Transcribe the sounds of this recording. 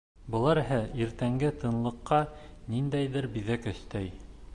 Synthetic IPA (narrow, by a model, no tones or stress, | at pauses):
bɤ̆lˠɑɾɦɘiɾt̪æŋɡɘt̪ʰɤ̆nlˠɤ̆qːɑnind̪æjðɘɾbiðækɵ̆θt̪æj